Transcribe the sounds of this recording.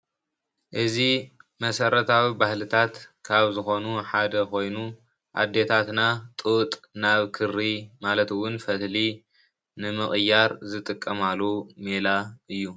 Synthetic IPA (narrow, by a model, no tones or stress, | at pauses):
ʔɨzimɐsɐɾɐt̪ʰawibahlɨt̪ʰat̪kʰaβzɨxo̞nuħad̪ɐkʰo̞jnu | ʔa̰d̪ːe̞t̪ʰat̪nat̪ʼut̪ʼnaβkʰɨrːimalɐt̪ɨwʊnfɐt̪li | nɨmɨχʼɨjːaɾzɨt̪ʼɨkʼːɐmalːomelaʔɨjːu